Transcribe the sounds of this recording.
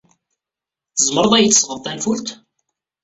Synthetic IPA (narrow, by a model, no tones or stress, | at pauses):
θəzˤməɾˤəðˤæjət͡sːəsʁəðˤt̪ːænfult̪